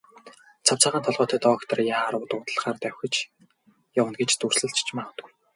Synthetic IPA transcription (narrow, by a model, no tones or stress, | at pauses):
t͡sʰawt͡saːʁaːnt̪ʰɔɮʁɔːt̪ʰæːt̪ɔːkt̪ʰə̆rjaːɾʊːt̪ʊːt̪ə̆ɮχaːrt̪æwʲxʲɘ̆t͡ɕ | jawə̆nɡet͡ɕt̪ur̥sɘ̆ɮt͡ɕt͡ɕʰmaːχə̆t̪ɡuj